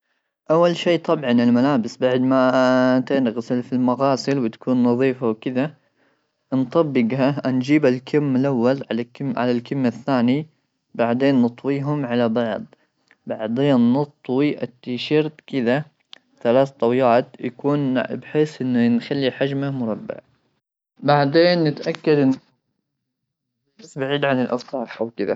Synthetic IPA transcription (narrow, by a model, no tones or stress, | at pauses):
ʔawːalʃiːt̪ˤɑbʕɑnɪlmalaːbɪsbaʕd̪mat̪ɪnɣsɪlfilmaɣɑːsɪlwɪt̪ḁkuːnːɑðˤiːfawkɪða | ʔnt̪ˤɑbːɪɡhand͡ʒiːbalkʰɪmːɪlʔawːalʕaʕa̰lalkɪmːaθːaːni | baʕd̪eːnːɨt̪ˤwiːɦʊmʕalabɑʕðˤ | baʕd̪eːnːɑt̪ˤwiʔat̪ːiːʃɑɾt̪kɪða | θalaːθt̪ˤɑwjaːt̪ja̰kuːnbħeːsʔɪnːanxalːiħad͡ʒmamʊɾˤɑbːɪ̰ʕ | baʕd̪eːnːɪt̪ʔakːad̪ʔɪ | ħasbaʕiːd̪ʕanɪlʔɑst̪ˤɑːħʔawkɪd̪a̰